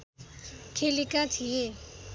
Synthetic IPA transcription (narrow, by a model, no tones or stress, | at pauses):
kʰelikãt͡sʰije